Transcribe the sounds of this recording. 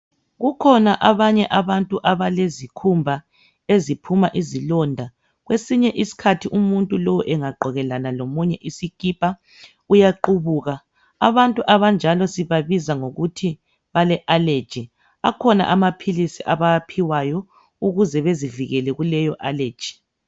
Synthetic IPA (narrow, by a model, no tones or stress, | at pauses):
ɣukʰɔnaʔaβaɲɛʔaβantʼuʔaβalezikʰumbʱa | ezipʰumaʔizilɔndʱa | ɣwesiɲɛʔisi̥kʰatʰiʔumuntʼulowuʔɛŋaɡ͡ǃʱɔɣɛlanalomuɲɛʔisikʼipʼa | ujaǃuβuːɣa | a̰βantʼuʔaβand͡ʒʱalɔsiβaβizaŋoɣutʰi | βalɛʔale̥d͡ʒ̥ʱi | akʰɔna̰ʔamapʰilisiʔaβajapʰiwajɔ | uɣuzɛβeziviɣɛlɛɣulɛjɔʔale̥ːd͡ʒ̥ʱi̥